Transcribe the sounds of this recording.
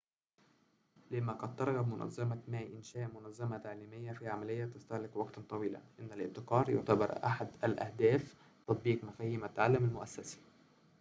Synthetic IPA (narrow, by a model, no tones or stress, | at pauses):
lɪmːæqɑd̪̚t̪ːɑɾˤɣɑbmʊnæ̰zːæmamæːʔʔɪnʃæːʔmʊnæzːæmat̪aʕliːmɪjːæfiʕamælɪjːæt̪ɪst̪æhlɪkwɑɡt̪t̪ˤɑwiːla̰ʔɪnːælʔɪb̚t̪ɪqɑːɾˤjʊ̰ʕt̪abɑɾˤʔa̰ħad̪ælʔæ̰hd̪æːf | t̪ɑt̪̚ˤbiːqmæfæːhiːmat̪aʕalːamalmʊʔæsːæsḁ